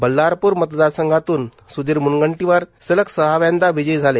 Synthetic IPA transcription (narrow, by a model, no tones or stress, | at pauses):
bəlːaɾpuɾmət̪d̪aɾsəŋɡʱat̪uːn | sud̪iɾmunɡəɳʈiʋaɾsələksəɦaʋand̪aʋid͡ʑəjd͡zʱale